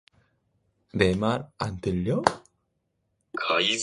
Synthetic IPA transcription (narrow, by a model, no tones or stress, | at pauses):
nemaɾandɯʎːʌ | kʰais